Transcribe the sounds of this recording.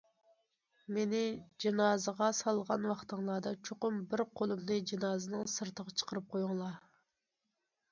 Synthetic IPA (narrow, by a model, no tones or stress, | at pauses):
menɪd͡ʒinɑːzəʁɑsɑlˠʁɑnwɑχt̪ʰəŋlˠɑːd̪ɑt͡ʃʰoqʊmbɪɾqʰolˠɨmnɨd͡ʒinɑːzɨnɨŋsɨɾt̪ʰəʁɑt͡ʃʰə̥qəɾɨp̚qʰojuŋlˠɑ